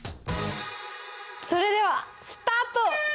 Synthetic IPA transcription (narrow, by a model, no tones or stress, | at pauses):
soɾed̪eʋa | st̪at̪o